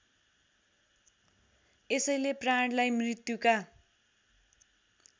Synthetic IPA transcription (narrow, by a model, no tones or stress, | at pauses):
esʌjlepraɳɽlajmrit̪juka